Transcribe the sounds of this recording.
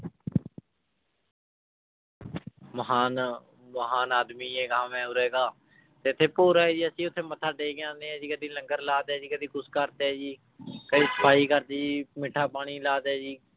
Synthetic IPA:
məɦaːn | məɦaːnaːd̪miːeːkãːʋɛ̃ːʊɾɛːɡaː | t̪eːʊt̪ʰːeːpoːɾaːɛːd͡ʒiːəsĩːʊt̪ʰːeːmət̪ʰːaːɖeːɡɪjãːnd̪eːɛːd͡ʒiːkəd̪ĩːləŋɡəɾlaːd̪ɛːd͡ʒiːkəd̪ĩːkʊskəɾt̪eɛːd͡ʒiː | kəd̪iːsə̥pʰaːiːkəɾd̪ɛːd͡ʒiːmɪʈʰːaːpaːɽ̃iːlaːd̪ɛːd͡ʒiː

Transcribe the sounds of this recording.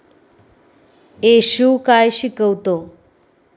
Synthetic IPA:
eɕukajɕikəwt̪o

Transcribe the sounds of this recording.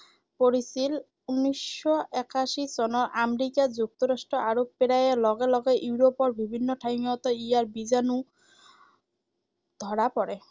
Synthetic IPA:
poɾisil | unːisːɔɛkʰaʃisɔnɔɾʔameɾikad͡ʑuk̚t̪ɔɾasʈɔʔaɾopeɾajelɔɡelɔɡeʔuɾopɔɾbibʱinːɔʈʰajŋɔt̪ɔijaɾbizanu | d̪̥ʱɔɾapɔɾe

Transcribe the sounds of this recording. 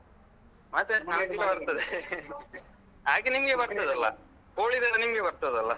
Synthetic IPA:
mɐt̪enaːmkuʈɐbɐɾt̪ɐd̪e | aːɡenimɐɡebɐɾt̪ɐd̪ɐlːɐ̰ | koːɭid̪ɐd̪enimɡebɐɾt̪ɐd̪ɐlːɐ

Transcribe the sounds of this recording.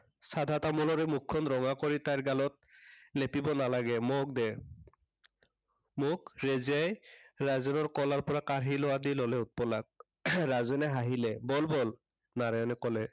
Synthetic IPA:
sadʱatamɔlɔɹɛmʊkʰːɔnɹɔŋakɔɹitaɹɡalɔt̚lepibɔnalaɡɛmɔk̚dɛ | mʊk̚ɹeziajɹazɛnɔɹkɔlaɹpɔɹakaɹɦilɔwadilɔlɛʊt̚pɔlak̚ | ɹazɛnɛɦaɦilɛbɔlbɔl | naɹajɔnɛkɔlɛ

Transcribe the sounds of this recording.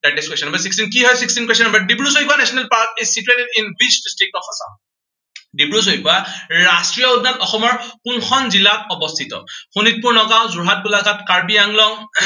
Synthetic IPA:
daʈeskwestɔnmbasikstinkiɦɔjsikstinkwesɔnmbadibɹusoipuanɛsɔnɛlpaɹkesituenɛtinwit͡ʃdistɹik̚nɔkʰasa̰ʊ | dibɹus̬oɦipuaɹastɹijɔudnatɔxɔmɔɹkunkʰɔnzilatɔbɔst̪ʰitɔ̰xunit̚puɹnɔkaʊ̃zuɹɦat̚bulaɡatkaɹbijaŋlɔŋ

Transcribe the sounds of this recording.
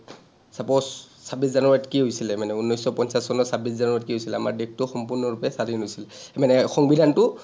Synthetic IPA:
sapɔs | sabiszanuɹatkiɦojsilɛmanɛunːɔjsɔpɔnsasːɔnɔsabis̬zanuɹatkiɦojsilɛama̰ɹdek̚tʊxɔmpuɹnɔɹupɛsadinɦojsilɛmanɛxɔŋbidʱantʊ

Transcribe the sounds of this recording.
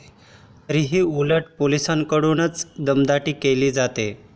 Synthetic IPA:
əɾiɦiːuləʈpolisaŋkəɽuːnət͡sd̪əmd̪aʈiːkeliːd͡zat̪e

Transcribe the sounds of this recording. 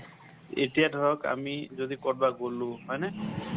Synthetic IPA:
ḛtijadʱɔɹɔka̰mizod̪ikɔɹbaɡolũɦɔjne

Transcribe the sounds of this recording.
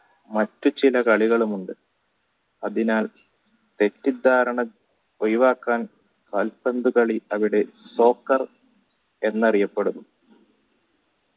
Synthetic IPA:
mɐtːut͡ɕilɐkɐɭiɣɐɭumuɳɖɨ | ɐðinaːl | t̪e̞tːid̪ʱaːɾɐɳɐ | ojʋaːkːaːn | kɐlpɐnd̪ukɐɭiɐʋiɽe̞so̞ːkːɐr | e̞nːɐrijɐpːeɽunːu

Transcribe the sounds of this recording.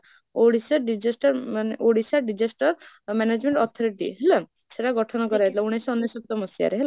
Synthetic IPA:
oɽisaɾɖid͡ʒesʈɔɾmaneʔoɽisaɖid͡ʒesʈɔɾ | mɛned͡ʒmeɳʈɔt̪ʰɔɾiʈḭɦela | seʈaɡɔʈʰɔnɔkɔɾaet̪ilauɽ̃esɔnːesɔp̚t̪ɔmɔsja̰ɾeɦela

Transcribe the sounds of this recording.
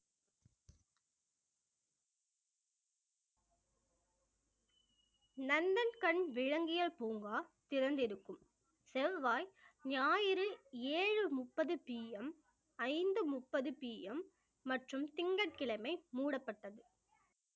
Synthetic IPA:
nɐnd̪ɐnkɐɳʋɪɻɐŋɡɪjɐlpuːŋɡaːt̪ɪɾɐnd̪ɪɾɯkːɯm | sɛʋʋaːjɲaːjɪɾɯeːɻɯmʊpːɐðɯpiːjɛm | ɐɪnd̪ɯmʊpːɐðɯpiːʔɛmː | ɐʈrɯmt̪ɪŋɡɐʈ̚kɪɭɐmɐɪmuːɽɐpːɐʈːɐðɯ

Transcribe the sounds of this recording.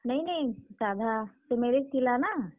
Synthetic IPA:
nɐĩnɐĩsaːd̪ʱasemeɾekkilana

